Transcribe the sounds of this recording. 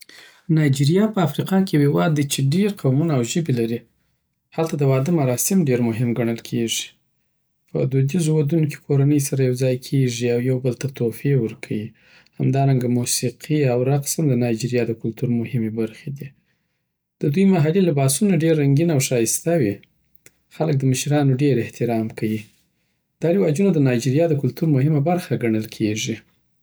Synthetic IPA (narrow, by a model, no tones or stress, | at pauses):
nɑjd͡ʒiɾijɑpəafɾiqɑkehewɑd̪ːit͡ʃeɖeɾqawmunaːwʒəbelaɾi | halt̪ad̪əwɑd̪əmaɾɑsɪmɖeɾmʊɦɪmɡaɳ̃əlkʰeʐi̥ | pʰə̰d̪ud̪izowad̪unoke̥kʰoɾanəjs̬aɾajawd͡zɑjkʰeʐiawjawbəlt̪at̪ofewəɾkʰawi | hamd̪ɑɾaŋɡamusiqʰiawɾaqsamd̪ənɑjd͡ʒiɾjɑd̪əkʊlt̪uɾmʊhɪmebaɾxed̪i | d̪̥əd̪ujmaɦalilabɑsunaɖeɾːaŋɡinawʃɑjst̪awi | xalək̚d̪əməʃɾɑnoɖeɾɪht̪ɪɾɑmkʰawi | d̪̥ɑɾɪwɑd͡ʒunod̪ənɑjd͡ʒiɾjɑd̪əkʊlt̪uɾmʊhɪmabaɾxaɡaɳəlkʰeʐi